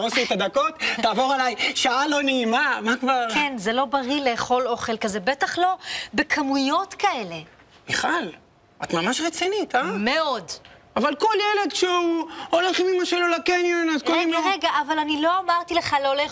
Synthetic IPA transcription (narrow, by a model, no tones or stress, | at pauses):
osiet̪ad̪ako̞t̪ːaːvo̞ʁalajʃaalo̞neimamakvaʁkenzelo̞baʁileχo̞lo̞χelkazebetaχlo̞bekʰamujo̞t̪kaele̞ | biχal | ʔat̪mamaʃʁet͡sinit̪ame̞o̞davalko̞ljeled̪ʃeuoleχimimaʃelolakenjonazkolimoʁeɡaʔavalanilo̞amaʁt̪ileχalole